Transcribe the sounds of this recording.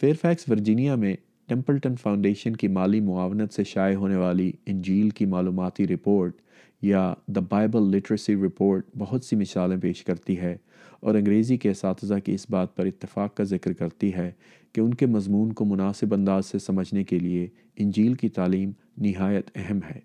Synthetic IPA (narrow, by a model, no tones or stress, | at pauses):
feːɾfɛːksʋɐɾd͡ʒiːnijamẽ | ʈɛ̃mpəlʈənfaːʊ̃ɳɖeːʃənkimaːlimʊaːʋnət̪seʃaːjɦoːneʋaːliɪ̃ɲd͡ʒiːlkimaːluːmaːt̪iɾɪpoːɾʈ | jad̪ɐbaːɪbəlːɪʈəɾəsiɾɪpoːɾʈ̚bɐɦʊt̪simɪsaːlẽpeːʃkɐɾt̪iɦɛ | ɔːɾɐ̃ŋɡɾeːzikeɐsaːt̪ɪzakiɪsbaːt̪̚pɐɾɪt̪ːɪfaːqkazɪkɾkɐɾt̪iɦɛ | keʊnkemɐzmuːnkomʊnaːsɪbɐ̃nd̪aːzsesɐməd͡ʒʱnekelie | ɪ̃nd͡ʒiːlkit̪aːliːm | nɪɦaːjət̪ɛɦɛmɦɛː